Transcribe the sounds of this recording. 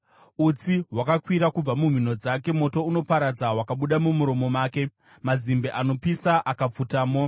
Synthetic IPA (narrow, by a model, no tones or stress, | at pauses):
ut͡siɦwakakwiɾakub͡vamum̤ino̞d͡zake̞mo̞to̞uno̞paɾad͡zawakaɓuɗamumuɾo̞mo̞maːke̞ | mazimbeʔano̞pisaʔakap͡futaːmo